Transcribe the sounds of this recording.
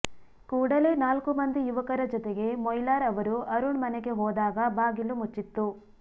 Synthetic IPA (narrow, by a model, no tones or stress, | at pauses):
kuːɽɐle̞ːnaːlkumɐnd̪ijuʋɐkɐɾɐd͡ʒɔt̪eɡe̞mɔjlaːɾɐʋɐɾuɐɾuɳmɐneɡe̞ɦɔːd̪aːɡɐbaːɡilːumut͡ʃːit̪ːu